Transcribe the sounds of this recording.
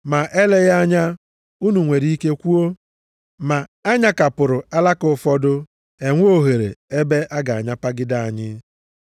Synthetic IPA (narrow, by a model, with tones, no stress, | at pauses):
ma˨ʔe˦le˦ɣa˦ɲa˦ | u˦nu˨ŋʷe˨ɾi˦i˦ke˦kʷu˦o˦ | ma˨a˦ɲa˦ka˨pʊ˨ɾʊ˨a˦la˦kʊ˨˦fɔ˦dʊ˦ | e˨ŋʷ˦o˦ɦe˨ɾḛ˨e˦be˦ʔa˦ɡa˨a̰˨ɲa˦pa˦ɡɪ˦da˦˨a˨ɲɪ˦